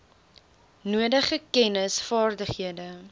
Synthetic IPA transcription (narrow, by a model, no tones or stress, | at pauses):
nuədəχəkɛnəsfɑːrdəχɦiədə